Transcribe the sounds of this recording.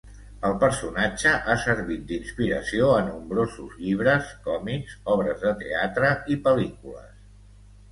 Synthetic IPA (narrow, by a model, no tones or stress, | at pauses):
əlˠpəɾsunad͡ʒəʔasəɾβit̪̚d̪inspiɾə̰sioənumbɾozuzʎiβ̞ɾəskɔmikzɔβɾəzðət̪ḛat̪ɾəipəlikulə̰s